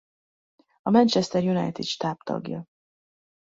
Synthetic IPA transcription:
ɒmɛnt͡ʃɛst̪ɛrjuna̰jt̪id̪ʃt̪aːpt̪ɒ̰ɡjɒ̰

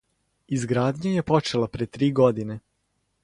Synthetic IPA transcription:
izɡɾaːd̪ɲajepo̞t͡ʃelˠapɾet̪ɾiːɡod̪ine

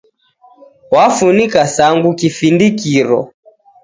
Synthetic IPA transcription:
wafunikasaŋɡukifindikiɾɔ̰

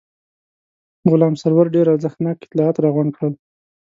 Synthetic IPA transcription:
ɣʊlɑmsaɾwaɾɖeɾaɾzaxt̪nɑkɪ̥t̪lɑɑt̪ɾɑɣwaɳkɽəl

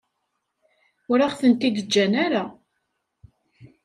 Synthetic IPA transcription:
ʊɾaχθənt̪id̪əd͡ʒːænaɾa

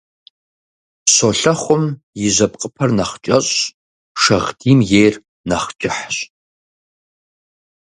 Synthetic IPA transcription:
ɕoɬɐχʷʊm | jɪʑɐpqʼəpʰɐrnɐχt͡ʃʼɐɕʼ | ʂɐʁdiːmjejr | nɐχt͡ʃʼɪħɕ

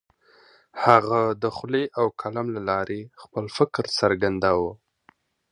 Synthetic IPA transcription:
haɣad̪əxleʔawkʰalamlalɑɾʔexpəlfɪkɾsaɾɡand̪awə

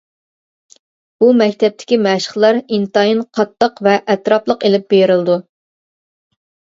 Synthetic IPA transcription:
b̥umɛkʲt̪ʰɛp̚t̪ʰɪ̥kʲimɛʃə̥χlˠɑɾint̪ɑjinqʰɑt̪ːəqvɛʔɛt̪ɾɑplˠəqelɪp̚beɾɪlɨd̪u

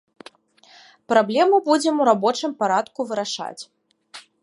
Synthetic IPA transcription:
pɾablʲɛmubud͡zʲɛmuɾabɔt͡ʂɨmpaɾat̪kuvɨɾaʂa̰t͡sʲ

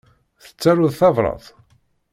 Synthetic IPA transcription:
θə̥t͡sːaɾʊðθɑvɾˤɑ̰ðˤ

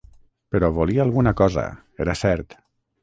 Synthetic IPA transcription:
pəɾɔβoliaalˠɣunakɔzə̰ | eɾasɛɾt̪

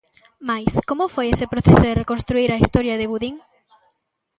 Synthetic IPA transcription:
majskomofojesepɾoθesoðerekonst̪ɾuiɾaist̪oɾjaðeβuðiŋ

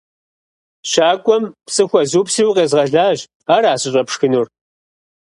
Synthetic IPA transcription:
ɕaːkʷʼɔmpsʼɨxʷɔzuːpsiwqeːzʁɐɮaːʑ | aːɾaːɕʼɪɕʼɐpʂxɨnuːr

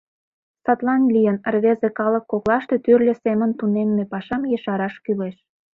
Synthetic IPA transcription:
sɑt̪lɑnlʲijənərβezekɑləkːoklɑʃt̪et̪yrlʲĕsemənt̪unemːepɑʃɑmjəʃɑɾɑʃkyleʃ

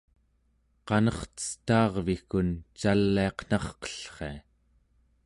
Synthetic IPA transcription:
qɑnʌχt̪ə̥st̪ɑːʁvikunt͡ʃalːiɑqn̥ɑχqə̥ɬχe̞a

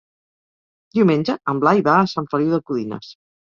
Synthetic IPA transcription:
d̪iwmenʲd͡ʒəəmblajβaːsaɱfəliwðəkuðinə̰s

